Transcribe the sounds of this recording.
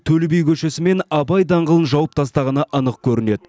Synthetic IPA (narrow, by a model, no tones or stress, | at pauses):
t̪ʰɵlbejkʲʰɵʃe̞sɪme̞nɑbɑjd̪ɑɴʁəlˠənʒɑwəp̚t̪ʰɑst̪ɑʁɑnɑʔənəqkʲʰɵɾɪne̞d̪ɪ